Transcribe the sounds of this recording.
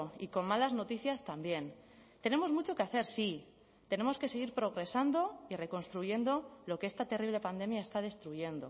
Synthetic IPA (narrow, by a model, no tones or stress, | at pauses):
iko̞nmalazno̞t̪iθjast̪ambje̞nt̪e̞ne̞mo̞zmut͡ʃo̞keaθe̞ɾsi | t̪e̞ne̞mo̞ske̞se̞ɣ̞iɾpɾo̞ɣ̞ɾe̞sand̪o̞ire̞ko̞nst̪ɾuʝe̞nd̪o̞lo̞kee̞st̪at̪e̞riβ̞le̞pand̪e̞mjae̞st̪að̞e̞st̪ɾuʝe̞nd̪o̞̰